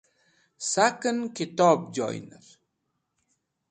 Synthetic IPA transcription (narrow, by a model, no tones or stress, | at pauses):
sakənkit̪ɔp̚d͡ʒɔ̰jnə̰ɾ